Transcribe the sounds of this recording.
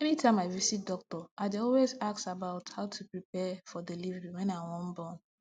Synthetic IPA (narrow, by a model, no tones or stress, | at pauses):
ɛmitʰãmaɪvisit̚dɔk̚tɔʔaɪdeɔlwezaksabaʊthaʊtʰupɹipɛfɔdelivɹiwɛ̃nawɔ̃n̩bɔ̃n